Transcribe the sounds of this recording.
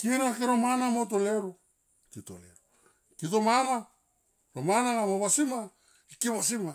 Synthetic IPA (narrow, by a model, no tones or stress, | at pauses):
kinakiɾomanamot̬oleɾu | kito̰lḛɾu | kitomana | ɾomanaŋamoβasima | ikiβas̬ima